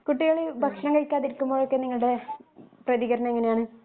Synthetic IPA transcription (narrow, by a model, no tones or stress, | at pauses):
kuʈːiɣɐɭibʱɐkʂlɐŋkɐɻkʲːaːðiɾikːumbo̞ːɭokːe̞niŋːɐɭɨɽe̞prɐðiɣɐɾɐɳɐeŋːɐnejaːɳɨ